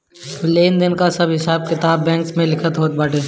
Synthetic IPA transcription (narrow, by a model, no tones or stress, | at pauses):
leːnd̪ɪnkasɐbɦɪsaːb̚kɪt̪aːbːɛ̃ːŋksmẽlɪkʰət̪ɦoːt̪̚baːʈeː